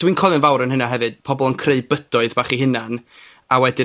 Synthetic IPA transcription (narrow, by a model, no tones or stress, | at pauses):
d̥wiːnkʰɔlˠɨnvawɾənɦənaɦɛvɨd̥̚pʰɔbɔlˠənkʰreɨbədɔɨðbaːχiɦɨnan | awɛdɪ